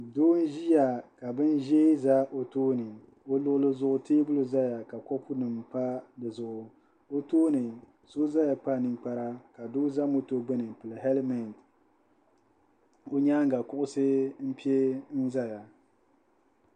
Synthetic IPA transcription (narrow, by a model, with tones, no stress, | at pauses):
doː˦n˦ʒi˦ja˨ka˨bɨ˦n˦ʒe˦za˦ʔo˨toː˦nɨ˨ | o˦lʊ˦ʔʊ˦lɨ˦zʊ˦ʔʊ˦teː˦bʊ˦lɨ˦za˦ja˨ka˨kɔ˦pʰʊ˦nɨ˨mpa˦dɨ˨zʊ˨ʔʊ˨ | o˦toː˦nɨ˨ | so˦za˦ja˨k͡pa˦˨nɨ˨ŋk͡pa˦ɾa˦ka˨doː˦za˦mo˦to˦ɡ͡bɨ˦nɨ˨pɨ˨lɨ˨ɦɛ˦lmɛ˨n˨t | o˦ɲa˦ŋ˦ɡa˨kʊ˦ʔʊ˦sɨ˦m̩˦pi˦e˦n̩˦za˦ja˨